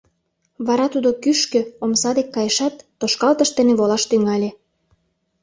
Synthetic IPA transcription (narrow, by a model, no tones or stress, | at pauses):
βɑɾɑt̪ud̪okyʃkø̆omsɑd̪ekːɑjeʃɑt̪ːoʃkɑlt̪əʃt̪eneβolɑʃt̪yŋɑlʲe